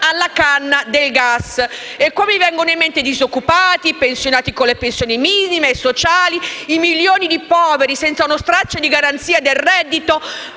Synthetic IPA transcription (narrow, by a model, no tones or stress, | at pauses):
alːakanːad̪elɡasekːoːmivɛŋɡonoimːent̪id̪izokːupaːt̪ipensjonaːt̪ikolːepensjoːnimiːnimeːsːot͡ʃaːliimiljoːnid̪ipɔːveɾisɛnt̪saunost̪ɾat͡ʃːed̪iɡaɾant̪siːad̪elrɛd̪ːit̪o